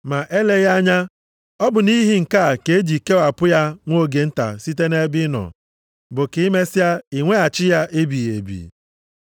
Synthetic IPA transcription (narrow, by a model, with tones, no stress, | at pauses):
ma˨ʔe˦le˦ja˦ɲa˦ | ɔ˦bʊ˨ni˦ɦi˦ŋ̩˨ka˦˨ke˨e˦d͡ʒi˨ke˦a˨pʊ˦ja˦ŋʷo˦˨ɡe˨n̩˦ta̰˨si˦te˦ne˦bɪ˦nɔ̰˨ | bʊ˨ki˨˦me˦sa˦i˨ŋʷe˦a˨t͡ʃɪ˦ja˦ʔe˦bi˨ḛ˨bḭ˨